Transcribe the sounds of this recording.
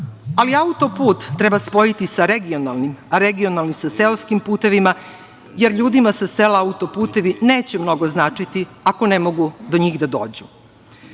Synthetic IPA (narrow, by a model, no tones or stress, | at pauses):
aliaut̪o̞puːt̪ːɾebaspo̞jit̪isaɾeɡio̞nalˠnimaɾeɡio̞nalnisaselskimpuːt̪e̞ʋima | je̞ɾʎuːd̪imasaselaaut̪o̞puːt̪e̞ʋineːt͡ɕemno̞ɡo̞znaːt͡ʂit̪i | ako̞nemo̞ɡud̪o̞ɲiːxd̪ad̪o̞̰ːd͡ʑu